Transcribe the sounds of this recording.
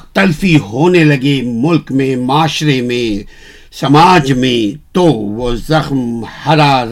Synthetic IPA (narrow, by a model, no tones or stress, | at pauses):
t̪ɐlfiɦoːnelɐɡemʊlkmẽmaːʃɾemẽ | sɐmaːd͡ʒmẽt̪oːʋoːzɐxmhɐɾaː